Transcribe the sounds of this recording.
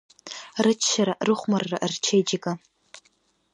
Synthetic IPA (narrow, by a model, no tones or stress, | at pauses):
rɨt͡ʃʰːaɾaʔrɨχʷmarːa̰ʔrt͡ʃʰejd͡ʒakʼa